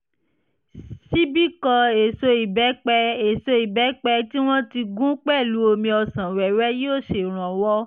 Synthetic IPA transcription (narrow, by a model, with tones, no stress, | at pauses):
ʃi˦bi˦kɔ˧e˨so˧i˨bɛ˨˦k͡pɛ˧e˨so˧i˨bɛ˨˦k͡pɛ˧ti˦w̃ɔ̃˦ti˧ɡũ˦k͡pɛ˦˨lu˨˦o˧mĩ˧ɔ˧sã˨wɛ˨ɾɛ˦jo˦˨ʃe˨ɾ̃ã˨wɔ˦